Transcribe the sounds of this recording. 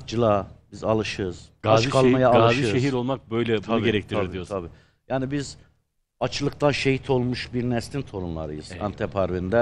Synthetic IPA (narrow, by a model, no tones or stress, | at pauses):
d͡ʒɯlˠabizalˠɯʃɯz̥ɡaat͡ʃkʰalˠmajaːlaziɯʃeɦiɾo̞lˠmak̚bøjlʲɛbt̪uab̪ɡeɾɛk̚t̪ʰiɾʰaiɾd̪ijot̪ʰabiː | jaːnibiz | at͡ʃʰɯlˠɯk̚t̪ʰanʃehit̪ʰo̞lˠmuʃbiɾnɛst̪ʰint̪ʰo̞ɾunlˠa̰ɾɯ̰jɯz̥a̰nt̪ʰɛpʰaɾvind̪ɛ